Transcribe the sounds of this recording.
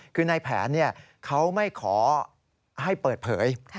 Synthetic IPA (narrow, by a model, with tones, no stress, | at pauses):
kʰɯː˧na˧jpʰɛ̰ː˩˦nːi˥˩ɐ | kʰa˦˥wma˥˩jkʰɔː˩˦ | ɦa˥˩jpɤː˨˩t̪̚pʰɤ̰ː˩˦jʰ